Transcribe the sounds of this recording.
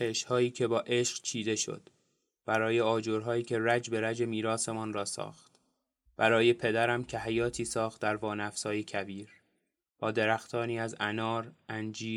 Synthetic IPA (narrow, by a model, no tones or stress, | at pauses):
eʃhɒːiːcʰe̞bɒːʔe̞ʃɢt͡ʃʰiːd̪e̞ʃo̰d̪̥ | b̥æɾɒːje̞ɒːd͡ʒoːɾɦɒːiːcʲʰe̞ɾæd͡ʒbe̞ɾæd͡ʒe̞miːɾɒːse̞mɒnrɒːsɒ̰ːxt̪ | b̥æɾɒːje̞pʰe̞d̪æɾæmcʰe̞ɦæjɒːt̪ʰiːsɒːxt̪̚d̪æɾvɒːnæfsɒːje̞cʰæbiːɾ | b̥ɒːd̪e̞ɾæxt̪ʰɒːniːæzænɒːɾʔænd͡ʒiː